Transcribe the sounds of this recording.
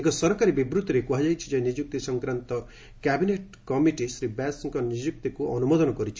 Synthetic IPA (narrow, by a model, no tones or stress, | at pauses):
ekɔsɔɾkaɾibibɾut̪ːɾekuɦad͡ʒajt͡ʃʰid͡ʒajnid͡ʒjuk̚t̪isɔŋkɾant̪ɔ | kabineʈ | kɔmiʈisɾibasɔŋkɔnid͡ʒjuk̚t̪ikuʔɔnumod̪ɔnɔkɔɾit͡ʃʰi̥